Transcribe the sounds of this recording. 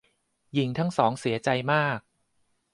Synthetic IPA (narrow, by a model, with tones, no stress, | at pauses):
ji˨˩˦ŋt̪ʰa˦˥ŋsɔː˩˦ŋsi˩˦ɐt͡ɕa˧jmaː˥˩k̚